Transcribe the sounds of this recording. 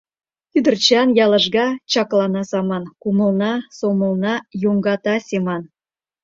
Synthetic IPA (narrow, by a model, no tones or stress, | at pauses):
kyd̪ə̆rt͡ɕɑnjɑlˠə̆ʒɡɑt͡ɕɑklˠɑnɑzɑmɑnkumə̆lˠnɑsomə̆lˠnɑjoŋɡɑt̪ɑsʲemɑn